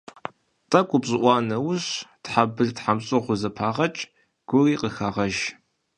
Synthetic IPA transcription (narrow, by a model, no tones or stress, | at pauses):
tʼɐkʷʼʊpɕʼɪʔʷɑːnɐwʊɕtħabɨrtħamɕʼʊʁʷʊzɐpʰaːʁɐt͡ʃʼ | ɡ̥ʷʊriːqəxaːʁɐʒ